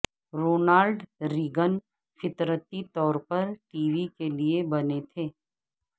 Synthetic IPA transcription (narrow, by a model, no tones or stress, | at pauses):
ɾoːnaːlɖɾɪɡən | fɪt̪ɾət̪it̪ɔːɾpɐɾʈiːʋikeliebɐnet̪ʰeː